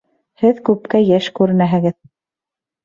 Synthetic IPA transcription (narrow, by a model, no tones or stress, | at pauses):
hɘðkʉp̚kæjæʃkʉɾɘ̆næɦɘ̆ɡɘð